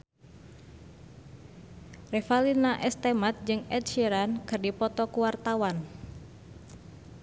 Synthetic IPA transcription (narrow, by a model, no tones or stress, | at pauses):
refalinaʔɛst̪emat̪̚d͡ʒɨŋɛt̪̚ʃiɾankɨrdipɔt̪ɔkuwart̪awan